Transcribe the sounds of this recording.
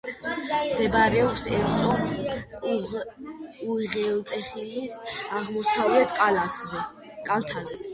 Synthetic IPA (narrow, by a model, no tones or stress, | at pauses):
md̪ɛbaɾɛɔpsɛɾt̪sʼɔ | uiʁɛlt̪ʼɛχilisaʁmɔsavlɛt̪ʰkʼ | kʼalˠt̪ʰazɛ